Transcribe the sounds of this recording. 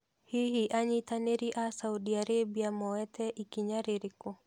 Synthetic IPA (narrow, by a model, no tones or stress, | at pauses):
hihiʔaɲit̪aneɾiʔasaudiaɾebiamɔwɛt̪ɛʔikiɲaɾiɾiko